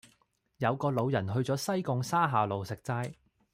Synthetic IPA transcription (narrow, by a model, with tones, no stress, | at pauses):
jɐ˨˧wkɔː˧lo˨˧wjɐ˨˩nɦɵ˧ɥt͡sɔː˨˥sɐ˥jkʊ˧ŋsaː˥ɦaː˨˧lo˨wsɪ˨k̚t͡saː˧j